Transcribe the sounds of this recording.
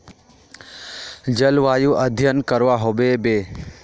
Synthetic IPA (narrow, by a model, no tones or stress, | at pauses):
d͡ʒəlʋaːjuʔəd̪ʱjənkəɾʋaɦoːbebeː